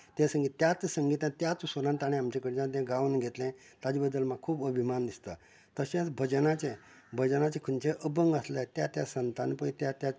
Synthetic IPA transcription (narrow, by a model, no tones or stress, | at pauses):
t̪ẽsəŋɡit̪jat͡ssəŋɡit̪ãt̪jat͡susoɾãnt̪aɽ̃ẽamt͡ɕekəɽd͡ʑãt̪jãɡaʋnɡʱet̪lẽ | t̪ad͡ʑibəd̪ːəlmaɡkʰːuːbəbʱimand̪ist̪a | t̪əɕẽt͡sbʱəd͡ʑənat͡ɕẽ | bʱəd͡ʑənat͡ɕekʰənt͡ɕeʔəbəŋɡəslət̪jat̪jasənt̪anpəɳ̃t̪jat̪ja